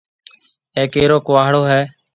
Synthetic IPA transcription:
ẽːkeːɾoːkʊʋaːɦɽoːɦɛː

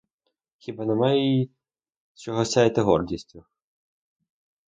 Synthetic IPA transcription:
xʲibɑnemajeji | t͡ʃɔɦɔssʲajet̪ɪɦɔrdʲisʲtʲʊ

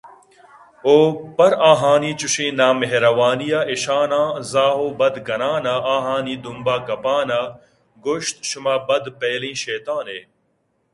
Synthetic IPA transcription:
oːpɐɾaːɦaːniːt͡ɕuɕĩːnaːmeɦɾɐʋaːnijaːiɕaːnãːzaːɦoːbɐd̪ɡɐnaːnaaːɦaːniːd̪umbaːɡɐpaːnɐ | ɡoɕt̪ʃʊmaːbɐd̪peːlĩːɕeːt̪aːneː

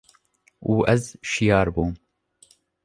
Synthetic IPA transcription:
uːʔɛzʃijɑːɾbuːm

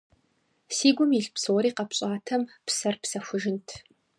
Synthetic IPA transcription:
siːɡʷʊmiɬpsoːɾiːqɐpɕʼaːtʰɐmpsɐrpsɐxʷʊʒɪntʰ

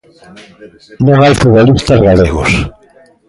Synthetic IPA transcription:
nõŋajfuβolist̪ɐzɣaleɣʊ̰s

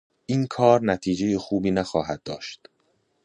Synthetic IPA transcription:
ʔiːnkʰɒːɾnæt̪ʰiːd͡ʒejexuːbiːnæxɒːɦæd̪̚ːɒːʃt̪

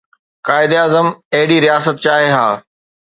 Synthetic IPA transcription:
kaːɪd̪eaːzəmɐɦɪɽiɾijaːsət̪̚t͡ɕaːɦeɦaː

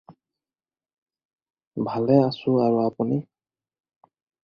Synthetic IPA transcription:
bʱalɛasʊaɹuapuni

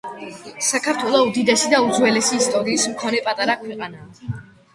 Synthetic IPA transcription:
sakʰaɾt̪ʰwɛlˠɔud̪id̪ɛsid̪aud̪zwɛlɛsiːst̪ʼɔɾiːsmkʰɔnɛpʼat̪ʼaɾakʰwɛqʼanaː

